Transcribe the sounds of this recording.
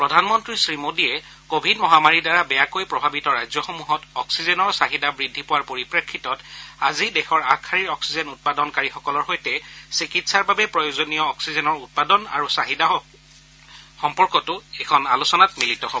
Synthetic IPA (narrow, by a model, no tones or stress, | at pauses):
pɹɔdʱanmɔntɹisɹimodiɛ | kobʱidmɔɦamaɹidaɹabɛjakojpɹɔbʱabitɔɹajzjɔxomuɦɔtɔksizɛnɔɹsaɦidabɹidʱːipowaɹpoɹipɹekʰːitɔtazidɛxɔɹakʰaɹiɹɔksizɛnut̚padɔnkaɹixɔkɔlɔɹxojtɛsikitsaɹbabɛpɹɔjozonijɔːksizɛnɔɹut̚padɔna̰ɹusaɦida | xɔmpɔɹkɔtʊɛkʰɔnalusɔnatmilitɔɦobɔ